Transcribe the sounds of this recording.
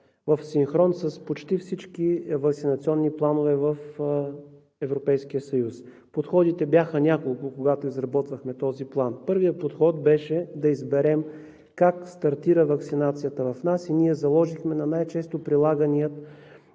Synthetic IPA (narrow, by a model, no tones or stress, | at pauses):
vəfsinxɾɔnsəspot͡ʃt̪ifsit͡ʃkivɐk̪sinɐt̪siɔnːiplˠanovɛvəf | ɛvɾopɛjskijəsɐjus | pot̪xɔd̪it̪ɛbjaxənʲakolˠkʊkoɡat̪oizɾɐbɔt̪vəxmɛt̪ɔziplˠanpɤɾvijəpot̪xɔt̪̚bɛʃɛd̪ɐizbɛɾɛm | kakst̪ɐɾt̪iɾəvɐksinat̪sijət̪əvɐfnasiniɛzɐlˠɔʒixmɛnɐnajt͡ʃɛst̪opɾilˠaɡəniət̪